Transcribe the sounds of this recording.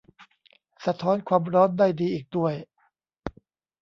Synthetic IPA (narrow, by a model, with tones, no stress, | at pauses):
sa˧t̪ʰɔː˦˥nkʰwaː˧mɾɔː˦˥ndaː˥˩jdiː˧ʔiː˨˩k̚du˥˩əj